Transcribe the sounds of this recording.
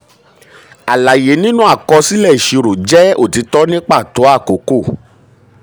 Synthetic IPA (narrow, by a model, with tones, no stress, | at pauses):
a˨la˨je˨˦nĩ˦nũ˦a˦˨kɔ˧si˦lɛ˦˨i˨ʃi˧ɾo˨d͡ʒɛ˦o̰˦˨ti˨˧˦tɔ˦nĩ˦k͡pa˦˨to˨˦a˦˨ko˨˦ko˦˨